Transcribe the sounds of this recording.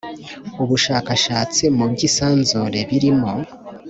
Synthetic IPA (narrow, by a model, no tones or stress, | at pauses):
uβuʃaːkaʃaːt͡simubɟisaːnzuɾe̞βiɾimo